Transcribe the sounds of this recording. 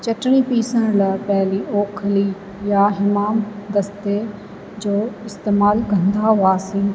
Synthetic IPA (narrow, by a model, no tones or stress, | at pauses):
t͡ɕɐʈɽ̃ĩpiːsəɽ̃ləpɛɦliʔoːkʰli | jaɦɪmaːmd̪ɐst̪e | d͡ʑoːɪst̪eːmaːlkɐ̃nd̪aɦʊaːsĩː